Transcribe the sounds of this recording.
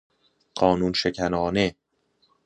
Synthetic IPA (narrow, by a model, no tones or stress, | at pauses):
ɢ̥ɒːnuːnʃecʰænɒːne